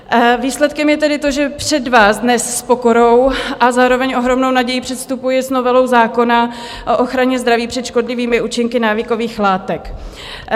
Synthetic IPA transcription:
viːslɛt̪kɛmjɛt̪ɛdɪt̪o̞ʒɛpr̥ɛdvaːzdnɛsːpo̞ko̞ɾo̞wʔazaːɾo̞vɛɲʔo̞ɦɾo̞mno̞wnaɟɛjipr̝̥ɛt̪st̪upujɪsnovɛlo̞wzaːko̞na | ʔoʔoxɾaɲɛzd̪ɾaviːpr̝̥ɛt̪ʃko̞dlɪviːmɪuːt͡ʃɪŋkɪnaːvɪko̞viːxlaːt̪ɛk

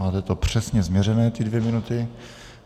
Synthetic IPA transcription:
aːt̪ɛt̪opr̝̥ɛsɲɛzmɲɛɾɛnɛːt̪ɪdvjɛmɪnut̪ɪ

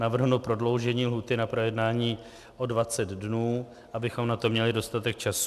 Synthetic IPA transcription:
navr̩ɦnupɾo̞dlo̞wʒɛɲiːlɦuːt̪ɪnapɾo̞jɛdnaːɲiː | ʔo̞dvat͡sɛd̪dnuː | ʔabɪxo̞mnat̪o̞mɲɛlɪdo̞st̪at̪ɛk̚t͡ʃas

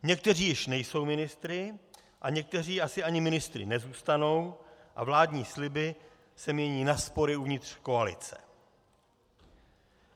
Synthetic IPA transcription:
ɲɛk̚t̪ɛr̝iːjɪʃnɛjso̞wmɪnɪst̪ɾɪ | ʔaɲɛk̚t̪ɛriːasɪʔaɲɪmɪnɪst̪ɾɪ̰nɛzuːst̪ano̞wʔa̰vlaːdɲiːslɪbɪ | sɛmɲɛɲiːnaspo̞ɾɪuvɲɪt̪r̥ko̞alɪ̰t͡sɛ̰

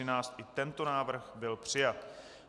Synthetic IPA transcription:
ɪnaːt͡st̪ʔɪt̪ɛnt̪o̞naːvr̩xbɪlpr̝̥ɪjat̪

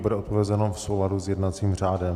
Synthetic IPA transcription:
budɛʔopovɛzɛnofsowladuzjɛdnat͡siːmr̝aːdɛm

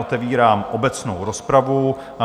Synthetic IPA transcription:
ot̪ɛviːɾaːmʔo̞bɛt͡sno̰wɾo̞spɾavu

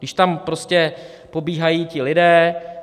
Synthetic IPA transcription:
dɪʃt̪ampɾoscɛ | po̞biːɦajiːcɪlɪdɛː

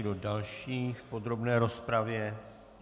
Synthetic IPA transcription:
dodalʃiːfpo̞d̪ɾo̞bnɛːɾo̞spɾavjɛ

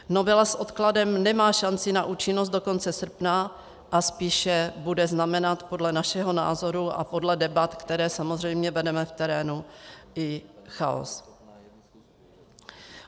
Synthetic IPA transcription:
no̞vɛlasʔo̞t̪kladɛmnɛmaːʃant͡sɪnaʔuːt͡ʃɪnos̬t̪do̞ko̞nt͡sɛsr̩pna | ʔaspiːʃɛbudɛznamɛnat̪po̞dlɛnaʃɛɦo̞na̰ːzo̞ɾuʔa̰po̞dlɛdɛbat̪kt̪ɛɾɛːsamozr̝ɛjmɲɛbɛdɛmɛft̪ɛɾɛːnuʔɪxa̰o̰s

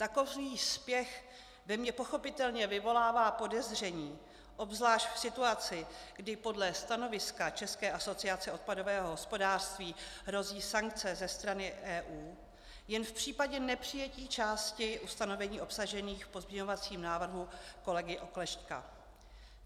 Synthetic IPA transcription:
t̪ako̞viːspjɛx | vɛmɲɛpoxo̞pɪt̪ɛlɲɛvɪvo̞laːvaːpo̞dɛzr̝ɛɲiː | ʔo̞bzlaːʃcfsɪt̪uat͡sɪɡdɪpo̞dlɛst̪ano̞vɪskat͡ʃɛskɛːʔaso̞t͡sɪat͡sɛo̞t̪̚pado̞vɛːɦoɦo̞spo̞daːr̥st̪viːɦɾo̞ziːsaŋkt͡sɛzɛst̪ɾanɪʔɛːʔuː | jɛnfpr̝̥iːpaɟɛnɛpr̝̥ɪjɛciːt͡ʃaːscɪʔust̪ano̞vɛɲiːo̞psaʒɛniːxfpo̞zmɲɛɲo̞vat͡siːmnaːvr̩ɦuko̞lɛɡɪʔo̞klɛʃt̪ka̰

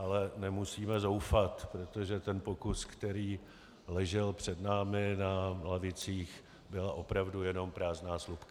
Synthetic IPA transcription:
ʔalɛnɛmusiːmɛzo̞wfat̪pɾot̪o̞ʒɛt̪ɛnpo̞kuskt̪ɛɾiː | lɛʒɛlpr̝̥ɛdnaːmɪnalavɪt͡siːx | bɪlaʔo̞pɾavdujɛno̞mpɾaːznaːslupka

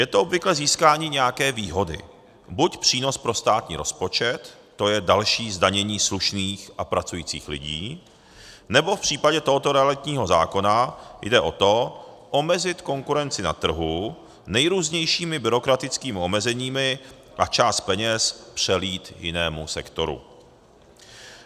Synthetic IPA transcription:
jɛt̪oʔobvɪklɛziːskaːɲiːɲɛjakɛːviːɦo̞dɪ̰ | bucpr̝̥iːno̞spɾo̞st̪aːt̪ɲḭːɾo̞̰spo̞t͡ʃɛt̪ː | o̞jɛdalʃiːzdaɲɛɲiːsluʃniːxʔapɾat͡sujiːt͡sḭːxlɪ̰ɟḭː | nɛbo̞fpr̝̥iːpaɟɛt̪oɦot̪oɾɛalɪt̪ɲiːɦo̞za̰ːko̞najdɛʔo̞t̪o̞ʔo̞mɛzɪt̪ko̞ŋkuɾɛnt͡sɪna̰t̪r̩ɦu | nɛjɾuːzɲɛjʃiːmɪbɪɾo̞kɾat̪ɪt͡skiːmɪo̞mɛzɛɲiːmɪ | ʔat͡ʃaːst̪̚pɛɲɛspr̝̥ɛliːt̪jɪ̰nɛːmusɛkt̪o̞ɾṵ

